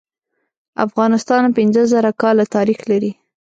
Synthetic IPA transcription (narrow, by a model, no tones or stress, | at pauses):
a̰fɣɑnɪst̪ɑnpɪnzəzaɾakɑlat̪ɑɾixlaɾi